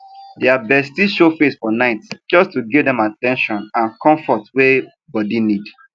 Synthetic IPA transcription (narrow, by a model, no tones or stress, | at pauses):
deabɛstiʃofesfɔnaɪtd͡ʒɔstuɡivdɛ̃matɛ̃nʃɔ̃nãnkʰɔ̃ɱfɔtwe | bɔdinid